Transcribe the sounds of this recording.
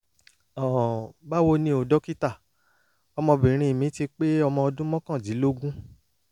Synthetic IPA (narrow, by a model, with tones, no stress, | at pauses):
ɔ̃˨ba˦wo˧nĩ˧o˨dɔ˦ki˦ta˦˨ | ɔ˧mɔ̃˧bĩ˨ɾ̃ĩ˧i˨mĩ˨˦ti˧k͡pe˦ɔ˧mɔ̃˧ɔ˧dũ˦mɔ̃˦kã˦˨d͡ʒi˨˦lo˦ɡũ˦